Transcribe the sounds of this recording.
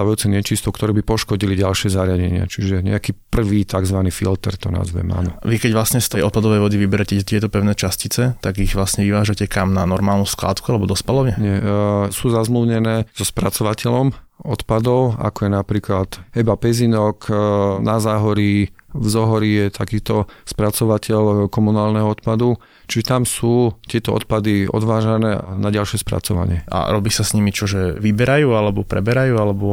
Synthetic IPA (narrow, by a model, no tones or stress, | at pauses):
aʋajuːt͡sɛɲɛt͡ʃist̪ɔkt̪ɔɾɛːbipɔʃkɔɟiliɟalʃɪɛzaɾɪaɟɛɲɪa̰t͡ʃiʒɛɲɛ̰akiːpr̩ʋit̪aɡzʋaniːfḭlt̪ɛ̰ɾt̪ɔna̰zʋɛ̰ma̰nɔ̰ʋikɛɟʋlasɲɛst̪ɛjɔt̪̚pad̪ɔʋɛjʋɔd̪iʋibɛɾɛcɛt̪ɪɛt̪ɔpɛʊnɛːt͡ʃascit͡sɛt̪aɡiɣʋlasɲɛʋiʋaːʒacɛkamnanɔɾmaːlˠnuskla̰ːt̪kualɛbɔd̪ɔspalɔʋɲɛɲɛsuːzazmluːɲɛnɛːz̥ɔspɾat͡sɔʋacɛlɔm | ɔt̪pad̪ɔʊa̰kɔjɛnapɾiːklat̪ɛbapɛzinɔknazaːɦɔɾivzɔɦɔɾijɛt̪ʰakiːt̪ɔspɾat͡sɔʋacɛʎkɔmunaːlnɛɦɔɔt̪pad̪u | t͡ʃiʒɛt̪amsuːt̪ɪɛt̪ɔɔ̰t̪̚pad̪iɔ̰d̪ʋaːʒanɛːanaɟalʃɪɛspɾa̰t͡sɔʋa̰ɲɪɛʔa̰ɾɔbiːsasɲimit͡ʃɔʒɛʋibɛɾajuːalɛbɔpɾɛ̰bɛɾajuːalɛbɔ